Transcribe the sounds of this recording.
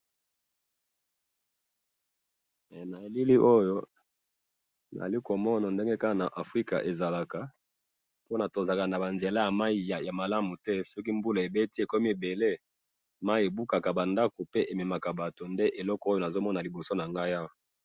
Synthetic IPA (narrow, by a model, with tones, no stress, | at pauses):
na˨e˨li˦li˦ʔo˦jo˦ | n̰˨a̰˨li˦ko˨mɔ˦na˨nde˦ŋɡe˦ka˦ka˨na˨ʔa˨fʁi˦ka̰˨ʔe˨za˨la˨ka˨ | po˦na˨to˨za˨ka˨na˨ba˨nze˨la˦ja˨ma˦i˦a˨ja˨ma˨la˦mu˨tɛ˦sɔ˦k̬i˦mbu˦la˨e˨be˦ti˦e˨ko˦mi˦e˨be˨le˦ | ma˦i˦e˨bu˦ka˨ka˨ba˨nda˦ko˨pe˦ʔe˨me˨ma˨ka˨ba˨to˨nde˦ʔe˨lɔ˦kɔ˦o˦jo˨na˨zo˦mɔ˦na˨li˨bo˨so˦na˨ŋɡa˦ja˦˨